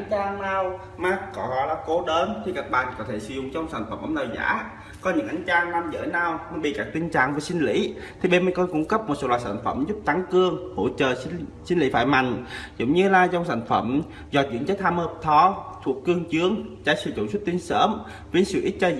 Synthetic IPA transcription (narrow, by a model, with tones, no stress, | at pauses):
ʔa˨˦ŋt͡ɕaː˧ŋnaː˧w | maː˦˥t̚kɔ˨˦ɔ˨˦laː˨˩ko˨˦ɗəː˨˦nt̪ʰi˨˩kaː˨˩k̚ɓa̰ː˧˨nkɔ˨˦t̪ʰe˧˩sɨ˨˧˦zʊ̰˧˨ŋ͡mt͡ɕɔ˧wŋ͡msa˧˩jŋ̟fə˧˩mʔə̰˧˦nɗə˨˩za̰ː˧˥ | kɔ˨˦ɲɨ̰˧˥ŋʔjŋ̟t͡ɕaː˧ŋlaː˧mzə̰ː˧˦naː˨˧˩wma˧˩nɓḭ˧˨˩kaː˨˧˩k̚t̪i˧ŋt͡ɕa̰ː˧˨ŋvəː˨˩sï˧ŋ̟lḭ˧˥ | t̪ʰi˨˩ɓe˧nmə˧˩kɔ˧nkʊ̰˧˥ŋ͡mkə˦˥p̚m˨˩t̚so˧˨˦laː˨jsaː˧˩n̟fə˧˩mzʊ˦˥p̚t̪a˨˦ŋkɨ˧əŋho̰˧˥t͡ɕəː˨˩˧ | si˧n̟lḭ˧˥faː˧˩jma̰˨˩jŋ̟zʊ̰˧˨wŋ͡mɲɨ˧laː˨˩zɔ˧wŋ͡msa̰˧˩jŋ̟fə˧˩m | zɔ˧˩t͡ɕwḭ˧˥ənt͡ɕə˦˥t̚t̪ʰaː˧mhəː˧˩p̚t̪ʰɔ˧t̪ʰu˨˩əkkːɨ˧əŋt͡ɕɨ˨˦əŋt͡ɕa̰ː˧˩jsɨ̰˧˩t͡ɕʊ̰˨˧˩swt̚t̪i˧ənsəː˧˦m | vi˧˦ə˦nsɨ̰˧˨ʔi˦˥t̚t͡ɕəː˧